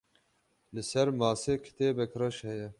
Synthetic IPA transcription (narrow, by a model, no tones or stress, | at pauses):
lɨsɛɾmaːseːkʰɪ̥t̪eːbɛkɾɐʃhɛjɛ